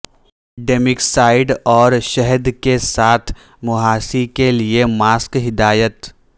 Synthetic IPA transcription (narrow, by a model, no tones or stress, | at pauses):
ɖeːmɪksaːɪɖɔːɾʃɛɦəd̪kesaːt̪ʰ | mʊɦaːsikeliemaːskɦɪd̪aːjət̪